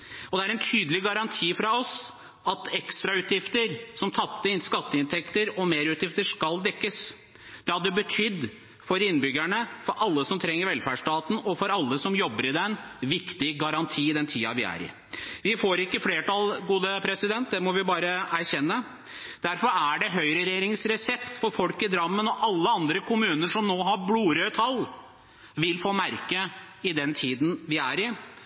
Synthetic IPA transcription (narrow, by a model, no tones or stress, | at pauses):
ɔd̪ɛæɾɛnt̪ʰyːd̪əlɪɡɑɾɑnt̪ʰiːfɾɑɔs | ɑt̪ɛkst̪ɾɑʉːt̪jɪft̪əɾsɔmt̪ʰɑt̪ːəɪnskɑt̪ːəɪnt̪ʰɛkt̪əɾɔmeːɾʉːt̪jɪft̪əʂkɑld̪ɛkːəs | d̪̥ɛhɑd̪ːəbət̪ʰʏd̪ː | fɔɾɪnːbʏɡæɳəfɔɾʔɑlːəsɔmt̪ʰɾɛŋːəɾʋɛlfæɖʂʈɑːt̪n̩ɔfɔɾɑlːəsɔmjɔbːəɾɪd̪ɛnʋɪkt̪ɪɡɑɾɑnt̪ʰiːɪd̪ɛnt̪ʰiːɑʋɪæ̰ɾɪ̰ | ʋɪfoːɾɪkːəfleːʈɑlɡuːd̪əpʰɾɛsɪd̪ɛnt̪̚d̪ɛmɔʋɪbɑːɾəæɾɕɛnːə | d̪̥æɾfɔɾæɖɛɦœʏɾəɾeɾɪŋsɾɛsɛpt̪fɔɾfɔlkɪd̪ɾɑmːənɔʔɑlːəɑnd̪ɾəkʰʊmʉːnəʂɔmnoːɦɑɾbluːɾøt̪ʰɑlː | ʋɪlfoːmæɾkə | ɪd̪ɛnt̪ʰiːd̪n̩ʋɪæɾɪ